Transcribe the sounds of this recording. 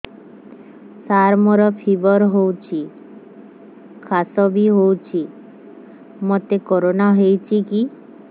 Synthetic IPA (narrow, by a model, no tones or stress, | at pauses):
saɾmoɾɔpʰibɔɾɦowt͡ʃʰi | kʰasɔbiɦowt͡ʃʰi | mɔt̪ekɔɾonaɦejt͡ʃʰiki